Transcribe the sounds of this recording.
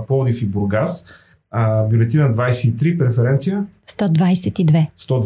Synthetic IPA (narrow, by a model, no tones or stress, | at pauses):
pɔvd̪ifibuɾɡas | bʲjulɛt̪inəd̪vajsɛit̪ɾipɾɛfɛɾɛnt̪sijəst̪ɔd̪vajsɛt̪id̪vɛst̪ɔd̪v